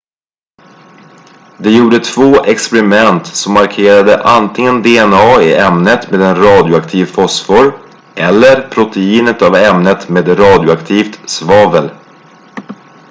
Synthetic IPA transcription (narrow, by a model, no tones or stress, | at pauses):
d̪ɛjuːɖət̪ʰv̥oːʔɛkspɛɾɪmɛnt̪sɔmːaɾkʰeːɾad̪əʔant̪ʰɪŋənd̪eɛnɑːɪɛmnət̪meːd̪ɛnɾɑːd̪jʊakt̪ʰiːvfɔsfɔɾ | ʔɛlːəɾpʰɾʊt̪ɛiːnət̪avɛmnət̪meːd̪ɾɑːd̪jʊakt̪ʰiːft̪svɑːvəl